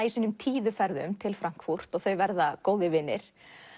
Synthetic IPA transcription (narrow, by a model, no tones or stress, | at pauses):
isinʏmt̪ʰiːðʏfɛɾðʏmt̪ʰɪlfɾaŋ̥kfur̥t̪ɔɣθœɥvɛɾðakoːwðɪvɪnːɪ̰ɾ̥